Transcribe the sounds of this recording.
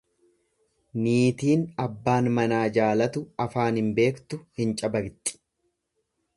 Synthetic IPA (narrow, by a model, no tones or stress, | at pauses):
niːt̪iːnɐbːaːnmɐnaːd͡ʒaːlɐt̪ʊɐfaːnhɪmbe̞ːkt̪ʊhɪnt͡ʃʼɐbɐɡt̪ʼːɪ̥